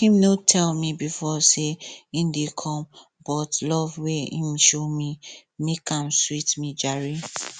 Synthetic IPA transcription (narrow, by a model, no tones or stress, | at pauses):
hĩmnotʰɛlmibifɔseĩmdekʰɔ̃m | bɔtlɔvweḭ̃mʃomi | mekãmswitmid͡ʒaɹi